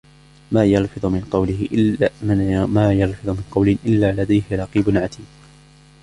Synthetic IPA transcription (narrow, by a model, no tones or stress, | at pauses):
maːjɑlfɨðˤʊmɪnqɑwlɪhɪʔ | maːjɑlfɨðˤʊmɪnqɑwlɪʔɪlːaːlad̪ajhɪɾˤɑqiːbʊnʕat̪iːm